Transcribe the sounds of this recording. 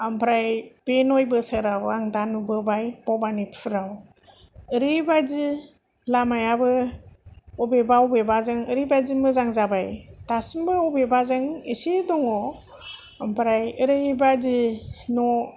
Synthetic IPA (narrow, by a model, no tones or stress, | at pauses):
ampʰɾajb̥enojbɯsɯɾawaŋdanubɯbajb̥ɔbanipʰɯɾaw | ɯɾɯjbajdi | lamajabɯ | ɔbebawbebazɯŋɯɾibajzimbɯzaŋzabajtasimbɯɔbebazɯŋisidɔŋɔ | ampʰɾajɯɾɯbadinɔ